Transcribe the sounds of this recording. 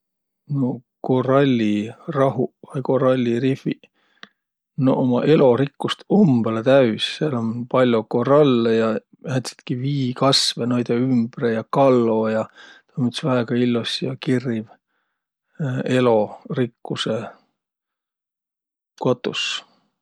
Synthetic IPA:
no̞ko̞rɑlʲːirɑɦuvɑjko̞ɾɑlʲːirifi | noʔomɑ̰ʔe̞lo̞ɾikːust̪umb̥ɑlet̪æysseɑlonpɑlʲjoko̞rɑlːejɑ | jæt̪si̥t̪kiviːkɑsvenojd̪̥eymb̥rejɑkɑlːo̞ːjɑt̪ɑmut̪svæeɡ̥ɑilːosijɑkiriv | e̞lo̞rikːuse | kot̪ːˑus

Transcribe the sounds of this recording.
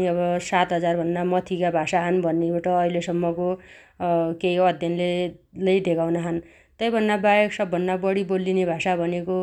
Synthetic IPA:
iʌbʌsat̪ɦʌd͡zarbʱʌnːamʌt̪ʰikabʱasaɦʌnbʱʌnːeaʈʌːɦilesʌmːʌko | keiʌd̪ʱjʌnlelʌjd̪ʱekawnaɦʌn | t̪ʌjbʱʌnːabajeksʌbʱːʌnːabʌɽibolːinebʱasabʱʌneko

